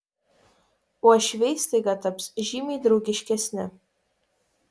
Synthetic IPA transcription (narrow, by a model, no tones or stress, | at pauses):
uɔʃʲʋʲɛɪsʲt̪ʲeɡɐt̪ɐpsʒʲiːmʲɛːd̪ɾɒʊɡʲɪʃʲkʲɛsʲnʲɪ